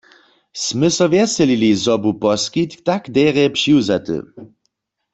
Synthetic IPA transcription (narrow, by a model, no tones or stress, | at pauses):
smɘsɔvjɛsɛlilizɔbupɔskit̪t̪akd̪ɛʁɛpʃiwzat̪ɨ̰